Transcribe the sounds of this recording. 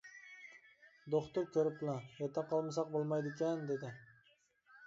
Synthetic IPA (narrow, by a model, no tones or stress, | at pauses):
d̪oχt̪ʊɾkʲʰøɾɪp̪̚lɑjɛt̪ʰːɑqʰɑlˠmɑsɑq̚bolˠmɑjd̪ekʲɛnd̪ed̪ɪ